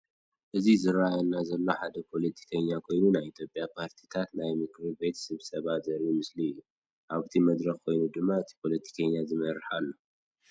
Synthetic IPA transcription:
ʔɨzizɨɾajanːazɐlːo̞ħad̪ɐpʰo̞lɐt̪ʰi̥kʰɐɲːakʰo̞jnunajit̪ʰjo̞pʼjapʰaɾt̪ʰi̥t̪ʰat̪najmɨkʰɾibe̞t̪sɨβsɐβat̪zɐɾumɨsliɨjːu | ʔaβɨt̪ʰimɐd̪ɾɐxkʰo̞jnud̪ɨmːaɨt̪ʰi̥pʰo̞lɐt̪ʰi̥kʰɐɲːazɨmɐɾɨħalːo̞

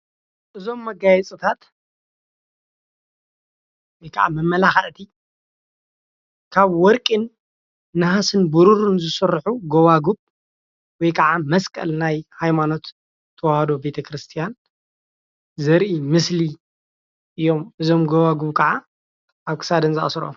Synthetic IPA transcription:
ʔɨzo̞mːɐɡajɛt͡sʼɨt̪ʰat̪ | wɔjkʰɐʕa̰mɐmːɐlaxɐʔt̪ʰi | kʰaβwɔɾkʼinː | ɨhasɨnbuɾuɾɨnzɨsɨɾħuɡowaɡuβ | wɔjkʰɐʕamɐskʼɐ̰lnajhajmano̞t̪ʰː | ɐwahad̪o̞be̞t̪ʰɐkʰɾɨst̪ʰijan | zɐɾʔimɨsli | ʔɨjːo̞mʔɨzo̞mɡowaɡuβkʰɐʕa | ʔaβkʰɨ̥sad̪ɨnzɐʔsɾo̰m

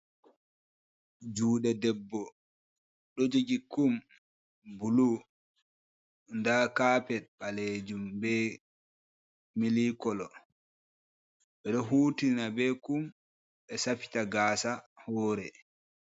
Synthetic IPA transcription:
d͡ʒuːɗɛdɛbːɔ | ɗɔd͡ʒoɡikum | bulu | ndakaːpɛt̚ɓaled͡ʒumbɛ | milikɔlɔ | ɓɛɗɔɦuːtinabɛkum | ɓɛsafi̥taɡaːsahɔːɾɛ

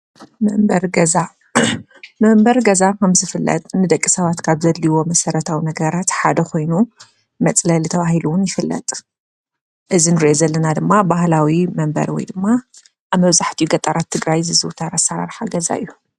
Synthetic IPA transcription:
mɐmbɐɾɡɐza | mɐmbɐɾɡɐzakʰɐmzɨfɨlːɐ̰t̪ʼnɨd̪ɐkʼːisɐβat̪kʰaβzɐlːiwo̞mɐsɐɾɐt̪ʰawinɐɡɐɾat̪ħad̪ɐkʰo̞jnu | mɐt͡sʼlɐlit̪ʰɐβahiluwʊnjɪfɨlːɐ̰t̪ʼ | ʔɨzinɨɾiʔozɐlːɐnad̪ɨmːabahlawimɐmbɐ̰ɾwɔ̰jd̪ɨmːa | ʔaβmɐβzaħt̪ʰijuɡɐt̪ʼɐɾat̪ʰːɨɡɾajzɨzɨwt̪ʰaɾasɐɾa̰ɾħaɡɐza̰ɨ̰jːu

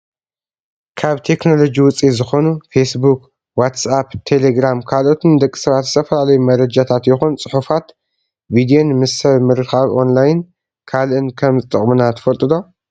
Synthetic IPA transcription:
kʰaβt̪ʰe̞kno̞lo̞d͡ʒiwʊt͡sʼizɨxo̞nufesbuk | wat̪sapt̪ʰe̞leɡɾamkʰalʔo̞t̪ʰɨnd̪ɐkʼːi̥sɨβat̪zɨt̪ʰɐfɐlalɐjumɐɾɐd͡ʒat̪ʰat̪jɪxunt͡sʼɨħufat̪ | vid̪ijonmɨsɐβmɨɾɨxaβʔo̞̰nlajɪn | kʰalʔɨnkʰɐmzɨt̪ʼɨχʼmɨnat̪ʰɐ̥fɐlt̪ʼɨd̪o̞

